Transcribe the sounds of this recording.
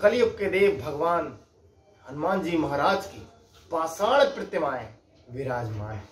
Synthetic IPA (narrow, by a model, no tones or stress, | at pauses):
kɐlijɐp̚ked̪eːbʱɐɡʋaːn | ɦɐnmaːnd͡ʒiːmɐɦaːɾaːd͡ʒkiː | paːsaːɽ̃epɾɪt̪jəmaːe | ʋɪɾaːd͡ʒmaːe